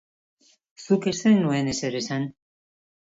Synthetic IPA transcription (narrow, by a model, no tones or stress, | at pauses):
sukest̪enue̞neseɾesan